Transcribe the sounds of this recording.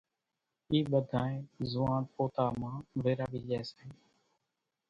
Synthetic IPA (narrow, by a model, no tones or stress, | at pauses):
iːɓəd̪ʱaːẽːzʊːãːt̪poːt̪aːmãːʋeːɾaːʋiːd͡ʒɛːsẽː